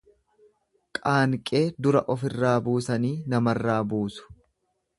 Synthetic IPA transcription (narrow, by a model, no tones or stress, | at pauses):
kʼaːŋkʼeːd̪ʊɾɐʔɔfɪrːaːbuːsɐniːnɐmɐrːaːbuːsʊ̥